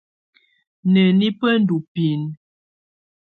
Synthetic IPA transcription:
nə˨ni˦pə˦n˦du˨pi˨n

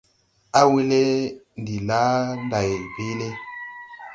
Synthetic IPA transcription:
a˦wi˦le˦ndi˨la˦n˦da˨jbe˦le˦

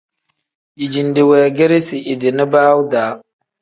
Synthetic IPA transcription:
i˨d͡ʒi˨ndi˨wɛ˨ɡe˦ɾe˦si˨ʔi˨di˨ni˦baː˦wu˦daː˨˦

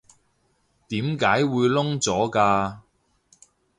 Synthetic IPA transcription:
t̪iː˨˥mkaː˨˥jwuː˨˧jlʊ˥ŋt͡sɔː˨˥kaː˧

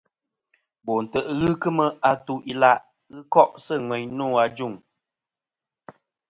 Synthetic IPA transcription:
bɔ˨n̩˨tə˨ʔɣɨ˦kɨ˦mə˦a˨tu˦ʔi˦la˦ʔ | ɣɨ˦kɔ˦ʔsɨ˦˨ŋwɛ˨ɲnũː˦˨a˨d͡ʒu˦˨ŋ

